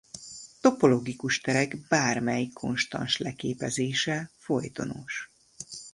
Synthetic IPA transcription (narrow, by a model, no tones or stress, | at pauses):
t̪o̞po̞lo̞ɡikuʃt̪ɛɾɛɡbaːrmɛjikʰːo̞̰nʃt̪ɒ̰nʃlɛkeːpɛzeːʃɛfojt̪o̞̰no̰ːʃ